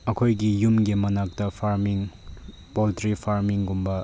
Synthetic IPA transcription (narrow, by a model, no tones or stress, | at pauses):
ɐkʰojɡijumɡimɐnak̚tɐpʰaɾmiŋ | poltɾipʰaɾmiŋɡumbɐ